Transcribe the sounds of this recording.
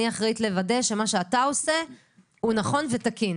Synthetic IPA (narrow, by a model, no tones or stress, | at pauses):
iaχʁit̪le̞vade̞ʃe̞maʃeatao̞se̞ | hunaχo̞nve̞t̪akin